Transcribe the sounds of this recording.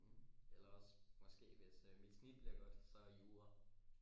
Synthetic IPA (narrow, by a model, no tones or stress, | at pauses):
elɐɒ̽smɒ̽sɡ̥e̝̰ːʋe̝sømid̥snid̥b̥leɡ̥ɐd̥sɒ̽iuːɐ